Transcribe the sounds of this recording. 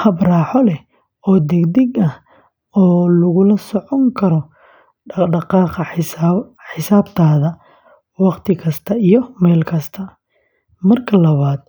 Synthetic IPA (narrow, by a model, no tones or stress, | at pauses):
hɐbraːħɔlɛ | ɔːd̪ɛɡd̪ɛɡɐh | ɔːlʊɣʊlɐsɔʕɔŋkʰɐɾɔ | ɖɑqɑːqɐ | ħɪsaːbt̪ʰaːðɐ | wɑqt̪ʰɪkʰɐst̪ʰɐijɔmɛːlkʰɐst̪ʰɐ | mɐrkʰɐlɐβaːd̪